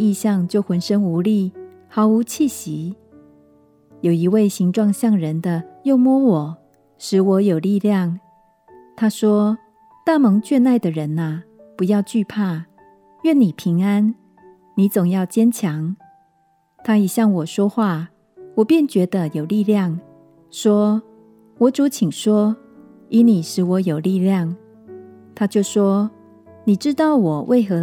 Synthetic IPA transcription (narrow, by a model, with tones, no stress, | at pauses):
i˥˧ɕjɑ˥˧ŋt͡ɕjo˥˩ʊxwə˧˥nʂə˥ŋu˧˥li˥˩ | xɑ˧˥ʊu˧˥t͡ɕʰi˥˩ɕi˧˦ | jo˨˩ʊi˧˦we˥˩ɪɕi˧˥ŋʈ͡ʂwɑ˥˧ŋɕjɑ˥˩ŋɻə˨˧˦nd̪ə˧jo˥˩ʊmwɔ˥wɔ˨˩˦ | ʂɻ̩˨˥˦wɔ˨˧˥jo˨˩ʊli˥˧ljɑ˥˨ŋ | t̪ʰa˥ʂwɔ˥ | t̪a˥˩mɤ˧˥ŋt͡ɕɥɛ˥˧na˥˩ɪd̪ə˨ɻə˨˦nɐ˨ | pu˧˦jɑ˥˧ʊt͡ɕy˥˧pʰa˥˩ | ɥɛ˥˨nːi˨˩pʰi˧˥ŋa˦˥n | ni˨˥t͡sʊ˨˩ŋjɑ˥˩ʊt͡ɕjɛ˥nt͡ɕʰjɑ˧˦ŋ | t̪ʰa˥i˨˩ɕjɑ˥˩ŋwɔ˨˩ʂwɔ˥xwa˥˩ | wɔ˨˩pjɛ˥˨nt͡ɕɥɛ˧˥d̪ə˨jo˨˩ʊli˥˧ljɑ˥˨ŋ | ʂwɔ˥ | wɔ˨˥t͡su˨˥t͡ɕʰi˨˩ŋʂwɔ˥ | i˧˥ni˨˩ʂɻ̩˧˥wɔ˨˧˥jo˨˩ʊli˥˧ljɑ˥˨ŋ | t̪ʰa˥t͡ɕjo˥˩ʊʂwɔ˥ | ni˨˩ʈ͡ʂɻ̩˦˥t̪ɑ˥˩ʊwɔ˨˩wʔe˥˩ɪxɤ˧˦